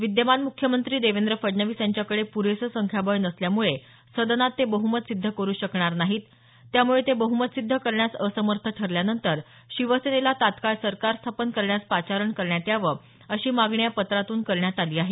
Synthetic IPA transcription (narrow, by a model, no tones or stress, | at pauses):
ʋid̪jəmanmukʰjəmənt̪ɾiːd̪eʋend̪ɾəfəɖnəʋisjaɲt͡ɕjakəɽepuɾesəsəŋkʰjabəjnəsljamuɭe | səd̪ənat̪ːebəɦumət̪sid̪ʱːəkəɾuːɕəkɳaɾnaɦiːt̪ː | jamuɭet̪ebəɦumət̪sid̪ʱːəkəɾɳjasəsəməɾt̪ʰəʈʰəɾljanənt̪əɾ | ɕiʋəsenelat̪at̪kaɭsəɾkaɾst̪ʰapənkəɾɳjaspat͡ɕaɾəɳkəɾɳjat̪jaʋə | əɕiːmaɡɳjapət̪ɾat̪uːnkəɾɳjat̪aliːaɦe